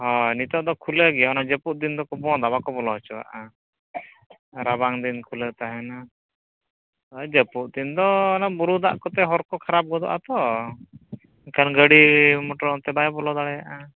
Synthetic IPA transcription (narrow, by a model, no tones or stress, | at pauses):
ɦɔnit̪ɔʔd̪ɔkʰuləɡɛjɔɔnad͡ʒəpuʔ̚d̪ind̪ɔkɔbɔ̃d̪abakɔbɔlɔɦɔt͡ʃɔwa̰ʔa | ɾabaŋd̪inkʰulət̪aɦɛna | ɔd͡ʒəpuʔd̪ind̪ɔnabuɾud̪a̰ʔkɔt̪ɛɦɔɾkɔkʰaɾap̚ɡɔd̪ɔ̰ʔat̪ɔ | ikanɡəɽimɔʈɔɾɔt̪ɛbajbɔlɔd̪aɽɛjaʔa